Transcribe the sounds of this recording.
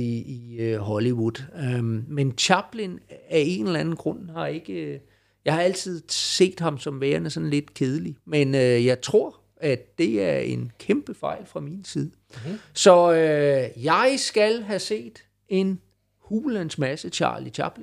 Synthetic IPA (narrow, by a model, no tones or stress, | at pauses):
iiɦɒliʋud̥ˠment͡ɕʰɑb̥linæe̝nlænn̩ɡ̥ʁɔ̽nhɑ̈e̝ɡ̥ə | jɑ̈ɪhɑ̈æl̰t͡sʰið̞̰ˠse̝̰ːd̥ɦɑ̈msɒ̽mʋeːɐnəsɒ̽nle̝d̥kʰeːð̞ˠəlimenøjɑ̈ɪt͡sʰʁo̝ɐ̰ | æd̥e̝æɐe̝nkʰemb̥əfɑ̈ɪ̰lfʁɑ̈minsið̞ˠə | sɒ̽øjɑ̈ɪsɡ̥ælɦæse̝̰ːd̥ | e̝n | huːlænsmæsət͡ɕʰɑ̰̈ːlit͡ɕʰɑ̰̈b̥li